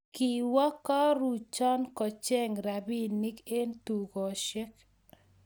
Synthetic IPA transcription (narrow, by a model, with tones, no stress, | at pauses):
ki˨wɔ˦kɔ˦ɾu˨t͡ʃɔ˦nkɔ˨t͡ʃɛ˦ŋɾa˨bi˦ni˦ke˦nt̪u˨ɡɔ˨ʃɛ˦k